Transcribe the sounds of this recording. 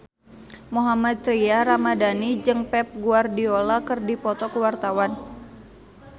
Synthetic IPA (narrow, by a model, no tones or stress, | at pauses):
muɦamat̪̚ːɾiaɾamadanid͡ʒɨŋpɛp̚ɡuardiolakɨrdipɔt̪ɔkuwart̪awan